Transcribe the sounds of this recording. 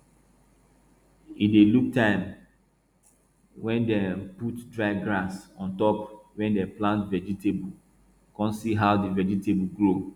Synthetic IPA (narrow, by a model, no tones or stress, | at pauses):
ideluk̚tʰãɪ̃m | wɛ̃ndɛ̃putdɹaɪɡɹasɔ̃ntɔpwɛ̃ndɛplãntvɛd͡ʒitebu | kɔ̃ntsiɦaʊdivɛd͡ʒitebuɡɹo